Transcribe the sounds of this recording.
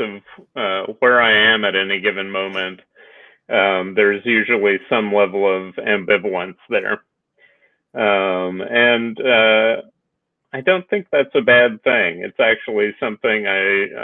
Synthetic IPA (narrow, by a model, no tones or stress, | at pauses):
ʌv̥ʌwə˞aɪɨ̃mɨɾɛniɡɪvɨ̃nmõʊ̃mɨ̃nt | ʌ̃mðə˞zjʉʒl̩ˠisʌ̃mlɛvl̩ˠʌvæ̰̃mbɪvl̩ˠə̃nsðə̰˞ | ʌ̃mɨ̃nʌ | aɪdõʊ̃nθɪ̃ŋk̚ðætsɨbæd̪̚θɪ̃ŋɨ̰tsæk̚t͡ʃul̩ˠisʌ̃mθɪ̃ŋaɪ